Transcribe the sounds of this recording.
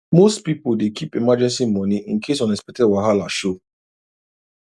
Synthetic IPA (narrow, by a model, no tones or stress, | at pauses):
mostpipoldekʰipemad͡ʒɛ̃nsimɔniʔĩn̩kʰesɔ̃nɛspɛtɛwaɦalaʃo